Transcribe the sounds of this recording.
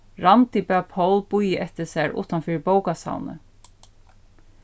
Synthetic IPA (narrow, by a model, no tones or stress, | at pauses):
ɹant̪ipaːpʰowlbujəʔɛt̪ɪsæɹʊ̰ːt̪anfɪːbowkasa̰wnə̰